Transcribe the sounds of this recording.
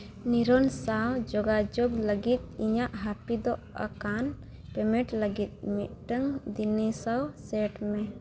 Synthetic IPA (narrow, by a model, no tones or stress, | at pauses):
niɾɔnsawd͡ʒɔɡad͡ʒoɡləɡit̪̚iɲaʔɦapid̪ɔ | a̰kan | pɛmɛʈləɡit̪̚miʔ̪̚ʈəŋd̪inisawsɛʈmɛ